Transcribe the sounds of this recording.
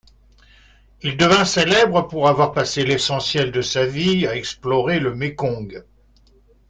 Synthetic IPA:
ild̪əvɛ̃selɛbʁəpuʁavwaʁpaselesɑ̃sjɛld̪əsaviaɛksplɔʁeləmekɔ̃ɡ

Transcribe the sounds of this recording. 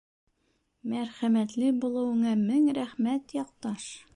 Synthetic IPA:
mæɾχæmæt̪lɘbulˠɤ̆wɤ̆ɴɑmɘŋɾæχmæt̪jɒq̚t̪ɑʃ

